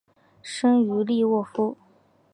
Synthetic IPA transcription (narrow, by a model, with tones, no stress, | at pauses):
ʂɤ˥ŋy˧˥li˥˧wɔ˥˩fu˥